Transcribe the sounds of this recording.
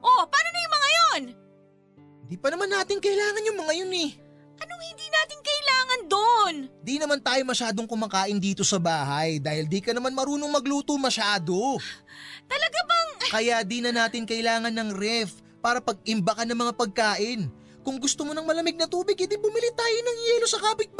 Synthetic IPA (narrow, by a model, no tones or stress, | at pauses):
ʔopaːnonɐjʊŋmɐŋajon | hɪnd̪iːpɐnɐmanːaːt̪ɪŋkɐʔɪlaːŋɐnjʊŋmɐŋajonɛ | ʔɐnoŋhɪnd̪iːnaːt̪ɪŋkɐʔɪlaːŋɐnd̪ond̪inɐmant̪aːjomɐʃaːd̪oŋkʊmaːkaːʔɪnd̪iːt̪o̞sɐbaːhɐjd̪aːhɪld̪ikɐnɐmanmɐɾuːnoŋmɐɡluːt̪omɐʃaːd̪o̞ | t̪ɐlɐɡabɐŋkɐjad̪inɐnaːt̪ɪŋkɐʔɪlaːŋɐnːɐŋɾɛf | paːɾɐpɐɡ̚ʔɪmbɐkɐnɐŋmɐŋapɐɡ̚kaːʔɪn | kʊŋɡʊst̪omo̞nɐŋmɐlɐmɪɡ̚nɐt̪uːbɪɡ̚hɪnd̪ibʊmilit̪aːjonɐŋjɛːlo̞sɐkaːbɪt̪̚b